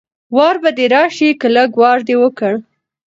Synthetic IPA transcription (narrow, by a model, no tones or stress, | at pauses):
wɑɾbad̪eɾɑʃikəlaɡwɑɾd̪ewəkəɽ